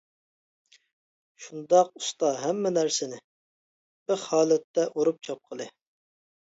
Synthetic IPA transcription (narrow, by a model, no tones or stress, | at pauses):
ʃund̪ɑqust̪ɑɦɛmːɛnæɾsɪnɪ | b̥ɪɾhɑːlˠɛt̪ːɛʔoɾup̚t͡ʃʰɑp̚qʰəlˠɨ